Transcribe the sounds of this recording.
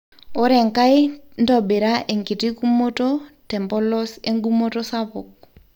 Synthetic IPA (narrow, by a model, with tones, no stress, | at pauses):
o˦ɾɛ˨ŋka˦jn˦dɔbe˨ɾaʔe˨ŋki˨ti˦kumo˦totɛ˨mbɔ˦lɔ˦se˦ŋɡu˦moto˦sapʊ˨k̚